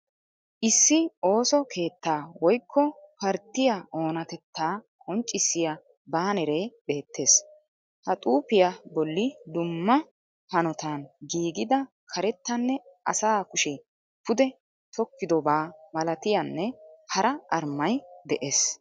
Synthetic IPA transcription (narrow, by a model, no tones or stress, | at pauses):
ʔɪsːɪo̞ːsɔkʰe̞ːt̪ːaːwɔjkʰːɔpɐɾt̪ːɪjaʔo̞ːnɐt̪ɛt̪ːaː | kʼɔnt͡ʃʼːɪsːɪja | baːnɛɾe̞ːbe̞ːt̪ːe̞ːs | hɐt̪ʼuːpɪjabɔlːɪd̪ʊmːɐ | hɐnɔt̪anɡiːɡɪd̪ɐ | kʰɐɾɛt̪ːɐnːɛʔɐ̰saːkʊʃɛ | pʊd̪ɛ | t̪ʰɔkːɪd̪ɔbaːmɐlɐt̪ɪjɐnːɛhɐɾɐʔɐɾmːɐjd̪ɛʔeːs